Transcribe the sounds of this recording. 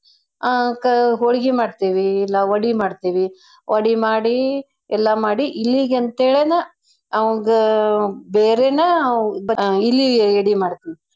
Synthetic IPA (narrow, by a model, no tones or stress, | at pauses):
akɐɦoɭiɡimaːɽt̪iːʋiːlːɐʋɐɽimaːɽt̪iʋi | ʔɐɽimaːɽi | ɛlːɐmaːɽiʔilːiɡɐnt̪eːɭenɐ | ɐʋɐŋɡɐbeːɾenɐbɐilːieɽimaːɽt̪iʋi